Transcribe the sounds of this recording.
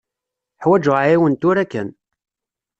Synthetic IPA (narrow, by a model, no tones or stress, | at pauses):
ħwæd͡ʒʊʁaiwənt̪ʊɾækːæn